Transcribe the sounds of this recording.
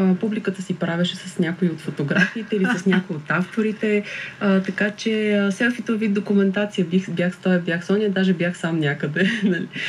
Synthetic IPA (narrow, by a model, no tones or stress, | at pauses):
əpublikət̪əsipɾavʲɛʃɛsəsnʲakoiot̪fot̪oɡɾafiːt̪ɛilisəsnʲakoiot̪aft̪oɾit̪ɛət̪ɐkat͡ʃɛsɛsk̪ʲit̪ovid̪̚d̪okumɛnt̪at̪sijəbibjaxst̪ɔjəbʲjaxsɔnʲiəd̪aʒɛbjaxsamnʲakəd̪ɛnɐli